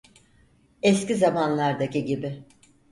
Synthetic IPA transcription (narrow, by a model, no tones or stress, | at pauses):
ɛscizamanlˠaɾd̪akiɟibɪ